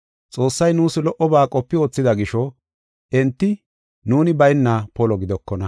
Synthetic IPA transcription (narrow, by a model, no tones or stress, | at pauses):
t͡sʼo̞ːsːɐjnuːsɪlɔʔɔbaːkʼɔpːɪo̞ːt͡sːɪd̪ɐɡɪʃɔ | ʔɛnt̪ːɪ | nuːnɪbɐjnːaːpɔlɔɡɪd̪ɔkːɔnɐ